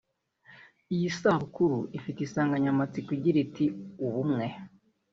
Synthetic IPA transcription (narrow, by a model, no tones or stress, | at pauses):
ijisaːβukuɾuʔifiteisaːŋɡaɲamat͡sikiɟiɾitiuβumŋe̞